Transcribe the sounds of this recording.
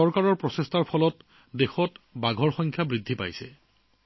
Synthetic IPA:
ɔɹkaɹɔɹpɹɔsestaɹpʰɔlɔt | dexɔtbaɡʱɔɹxɔjŋkʰjabɹidʱːipa̰jsɛ̰

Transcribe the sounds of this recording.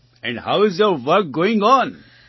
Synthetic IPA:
ɛ̃ɳɖhaʊɪzjoɾʋəɾk̚ɡoːɪ̃ŋɔ̃n

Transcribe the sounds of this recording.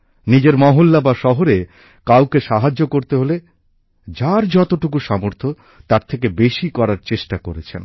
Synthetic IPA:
nid͡ʑeɾmɔɦolːabaʃɔɦoɾe | kawkeʃaɦad͡ʑːokoɾt̪eɦole | d͡ʑaɾd͡ʑɔt̪oʈuk̬uʃɔmoɾt̪ʰo | t̪aɾt̪ʰekebeʃikɔɾaɾt͡ɕeʃʈakoɾet͡ɕʰen

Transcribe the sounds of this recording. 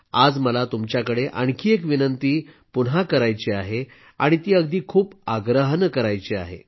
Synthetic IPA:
ad͡zməlat̪umt͡ɕjakəɽeʔə̰ɳkʰiːekʋinənt̪iː | punɦakəɾajt͡ɕiaɦe | aɽ̃it̪iːəɡd̪iːkʰuːpaɡɾəɦnkəɾajt͡ɕia̰ɦḛ

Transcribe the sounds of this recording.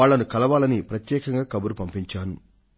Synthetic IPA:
aːɭːɐnukɐlɐʋaːlɐnipɾɐt̪jɛːkɐŋɡaːkɐbuɾupɐmpiɲt͡ʃaːnu

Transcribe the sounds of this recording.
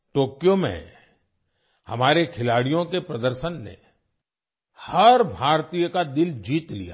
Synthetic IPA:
ʈoːkjõmḛ̃ | hɐ̰maːɾekʰɪlaːɽijõkepɾɐd̪əɾʃənːḛ | hɐɾbʱaːɾt̪iːjəkad̪ɪld͡ʒiːt̪lḭja̰

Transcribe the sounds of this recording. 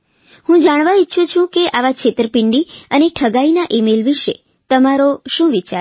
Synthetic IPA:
hũd͡ʒaɽ̃ʋaiːʃʰũt͡ʃʰũkeʔaʋakʃʰet̪ɾəpɪɳɖiəneʈʰəɡainaʔimelʋiʃḛ | t̪əmaɾoʃũʋit͡ʃa

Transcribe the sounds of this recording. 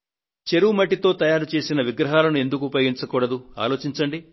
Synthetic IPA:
t͡ʃe̞ɾuːmɐʈ̬ːit̪o̞ːt̪ɐjaːɾut͡ʃe̞ːsinɐʋiɡɾɐɦaːlɐnue̞nd̪ukupojɡiɲt͡ʃɐkuːɽɐd̪ua̰ːlo̞ːt͡ʃiɲt͡ʃɐɳɖi

